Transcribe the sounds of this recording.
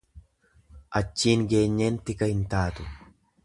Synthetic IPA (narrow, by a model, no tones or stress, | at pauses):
ʔɐt͡ʃːiːŋɡe̞ːɲːeːnt̪ɪkɐhɪnt̪aːt̪ʊ̥